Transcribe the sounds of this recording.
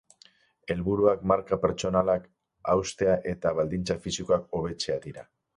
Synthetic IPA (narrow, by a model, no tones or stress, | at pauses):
e̞lβuɾuakmaɾkape̞ɾt͡ʃo̞nalak | awst̪e̞aʔe̞t̪aβald̪int͡safisikoako̞β̞e̞t͡se̞aðiɾa